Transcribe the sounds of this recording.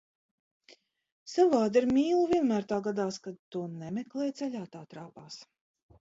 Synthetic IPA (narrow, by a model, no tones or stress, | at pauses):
savaːd̪iɾmʲiːlˠuvʲiɛnmæːɾt̪aːɡad̪aːskad̪̚t̪uɔnɛmɛklˠɛjt̪sɛlʲaːt̪aːt̪ɾaːpaːs